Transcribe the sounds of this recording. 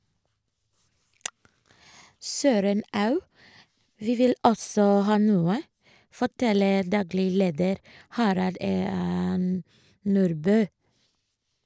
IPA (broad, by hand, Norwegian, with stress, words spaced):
ˈsøːɾən ˈɑʉ ˈʋiː ˈʋɪl ˈɔsɔ ˈhɑː ˈnuːə fɔˈʈɛləɾ ˈdɑːɡlɪ ˈleːdəɾ ˈhɑɾɑld ə m ˈnuːɾbøː